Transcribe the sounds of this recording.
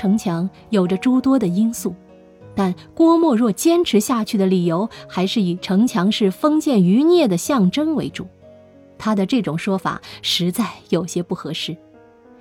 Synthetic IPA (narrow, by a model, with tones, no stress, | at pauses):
ɤ˧˥ŋt͡ɕʰjɑ˧˥ŋ | jo˨˩ʊʈ͡ʂə˦ʈ͡ʂu˥t̪wɔ˥d̪ə˨i˥nsu˥˩ | t̪a˥˩nkwɔ˥mwɔ˥˧ɻwɔ˥˩t͡ɕjɛ˥nʈ͡ʂʰɻ̩˧˥ɕja˥˧t͡ɕʰy˥˩d̪ə˩li˨˩jo˧˥ʊxa˧˥ɪʂɻ̩˥˩i˨˩ʈ͡ʂʰɤ˧˥ŋt͡ɕʰjɑ˧˥ŋʂɻ̩˥˩fɤ˥ŋt͡ɕjɛ˥˩ny˧˥njɛ˥˩d̪ə˩ɕjɑ˥˩ŋʈ͡ʂɤ˥ŋwe˧˥ɪʈ͡ʂu˨˩˦ | t̪ʰa˥d̪ə˨ʈ͡ʂɤ˥˩ʈ͡ʂʊ˨˩ŋʂwɔ˥fa̰˨˩˦ʂɻ̩˧˥t͡sa˥˩ɪjo˨˩ʊɕjɛ˥pu˥˩xɤ˧˥ʂɻ̩˥˩